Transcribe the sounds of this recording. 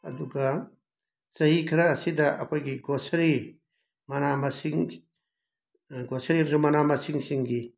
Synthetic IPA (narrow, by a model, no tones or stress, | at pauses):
ɐ̰duɡɐ | t͡ʃɐɦikʰiɾaːsidɐʔɐkʰojɡiɡosɐɾi | mɐnamɐsiŋ | ɡosɐɾiɐmsumɐnamɐsiŋsiŋɡi